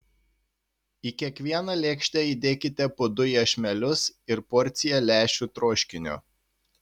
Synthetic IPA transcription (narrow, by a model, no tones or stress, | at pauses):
ikʲiɛkʋʲiɛnɑlʲeːkʃʲt̪ʲɛid̪ʲeːkʲɪt̪ʲɛpoːd̪ʊjɛʃʲmʲɛlʲʊsɪɾpɔɾʲt̪sʲɪjɛlʲæːʃʲuːt̪ɾoːʃʲkʲɪnʲo̰ː